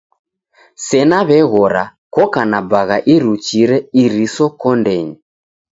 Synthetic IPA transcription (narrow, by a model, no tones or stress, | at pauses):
sɛnaβɛɣɔɾakɔkanabaɣaʔiɾut͡ʃiɾɛiɾisɔkɔndɛɲi